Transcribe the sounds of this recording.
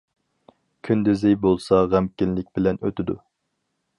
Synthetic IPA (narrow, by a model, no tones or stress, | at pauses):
kʲʰynd̪ɪzɪjbolˠsɑʁæmkʲinlɪk̚ʲbɪlɛnø̰t̪ɪd̪ṵ